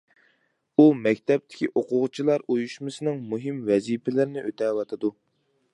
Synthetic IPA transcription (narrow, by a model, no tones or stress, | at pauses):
umɛkʲt̪ʰɛp̚t̪ʰɪ̥kʲiʔoqʊʁt͡ʃʰilˠɑɾojuʃmɨsɨnɨŋmuɦɨmvɛzipʰɪlɪɾɪnɪʔøt̪ʰɛwɑt̪ʰɨd̪u